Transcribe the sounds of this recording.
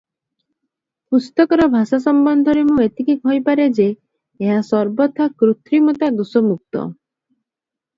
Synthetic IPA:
pust̪ɔkɔɾɔbʱasas̬ɔmbɔnd̪ʱɔɾemũet̪ikikɦɔjpaɾed͡ʒeː | ɦasɔɾbɔt̪ʰakɾut̪ʰɾimɔt̪ad̪usɔmuk̚t̪ɔ̰

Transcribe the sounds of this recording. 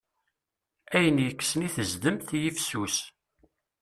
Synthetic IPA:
æjənjəkːsniθəzd̪əmθjifsus

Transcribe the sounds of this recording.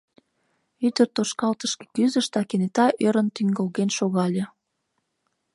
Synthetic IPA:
yd̪ərt̪oʃkɑlt̪əʃke̥kyzəʃt̪ɑkenet̪ɑʔøɾənt̪yŋɡəlɣenʃoɣɑlʲĕ

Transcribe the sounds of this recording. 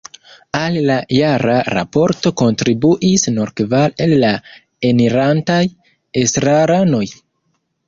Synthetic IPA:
alːajaɾaɾa̰po̞ɾto̞ko̞ntɾibuʔisnoɾkvale̞lːa | emiɾantaj | esɾaɾano̞j

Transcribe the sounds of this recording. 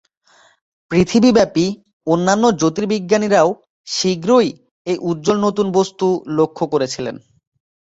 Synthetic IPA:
pɾit̪ʰibibɛpi | onːanːod͡ʑot̪iɾbiɡːaniɾao | ʃiɡɾoj | ejʔut̪̚ːd͡ʑolnot̪unbost̪ulokʰːokoɾet͡ɕʰilḛn

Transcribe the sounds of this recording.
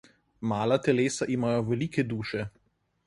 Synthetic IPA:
maːlat̪ɛleːsaʔimajɔʋɛliːkɛd̪uːʃɛ

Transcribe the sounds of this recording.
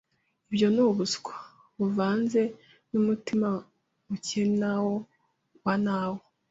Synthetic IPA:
ibjo̞nuβuskwḁ | βuvaːnze̞ | numutima | mucenawo | wanawo

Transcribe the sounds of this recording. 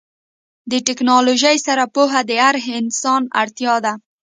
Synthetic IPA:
d̪əʈɪknɑloʒajsaɾapuɦad̪əaɾɦɪnsɑna̰ɽt̪jɑd̪a

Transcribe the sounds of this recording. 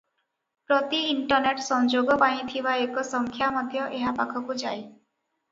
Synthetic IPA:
pɾɔt̪iːɳʈɔɾneʈsɔnd͡ʒoɡɔpãĩt̪ʰibaekɔsɔŋkʰjamɔd̪ʱjɔʔeɦapakʰɔkud͡ʒaj

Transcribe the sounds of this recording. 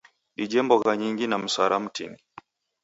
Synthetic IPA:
ɗid͡ʒɛmbɔɣaɲiŋɡinam̩swaɾʔam̩tḭni

